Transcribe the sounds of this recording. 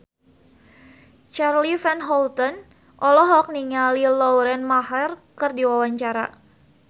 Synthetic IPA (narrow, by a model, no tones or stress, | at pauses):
t͡ʃarlifɛnɦɔlt̪ɔn | ʔɔlɔɦɔk̚niŋalilɔɾɛnmaɦɛrkɨrdiwawaɲt͡ʃaɾa̰